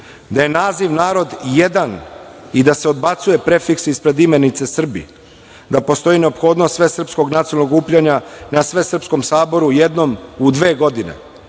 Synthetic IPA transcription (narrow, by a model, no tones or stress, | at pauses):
d̪aje̞naːziʋnaːɾo̞d̪je̞d̪anid̪ase̞o̞d̪bat̪suje̞pɾe̞fiksispɾe̞d̪ime̞nit̪se̞sr̩bḭ | d̪apo̞st̪o̞jine̞o̞pxo̞ːd̪nost̪sʋe̞sr̩psko̞ɡnat̪siolnoɡuːpʎaɲanasʋe̞sr̩psko̞msaːbo̞ɾuje̞d̪no̞mud̪ʋe̞ːɡo̞d̪inḛ